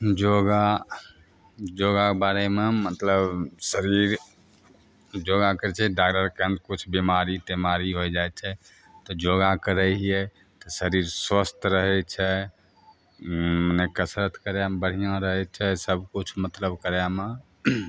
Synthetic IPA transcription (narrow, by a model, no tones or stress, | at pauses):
d͡ʒoɡa | d͡ʒoɡakbaɾememət̪ləbsəɾiɾ | d͡ʒoɡakəɾt͡ʃʰɛɖakləɾkənd̪kut͡ʃʰbimaɾit̪emaɾiɦod͡ʒajt͡ʃʰɛ | t̪ɔd͡ʒoɡakəɾɛɦiɛ | t̪ɔsəɾiɾswəst̪ʰɾəɦɛt͡ʃʰɛ | mənekəsɾət̪kəɾjabəɽ̤ijãɾəɦɛt͡ʃʰɛsəbʱkut͡ʃʰmət̪ləbkəɾjame